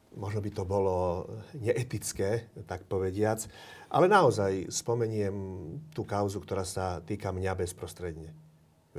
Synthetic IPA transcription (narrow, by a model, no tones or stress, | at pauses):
mɔʒnɔbit̪ɔbɔlɔɲɛʔɛt̪it͡skɛːt̪ak̚pɔʋɛɟɪat͡s | ʔa̰lɛnaɔzajspɔmɛɲɪɛmt̪uːkaʊzukt̪ɔɾaːsat̪iːkamɲabɛspɾɔst̪ɾɛd̪ɲɛ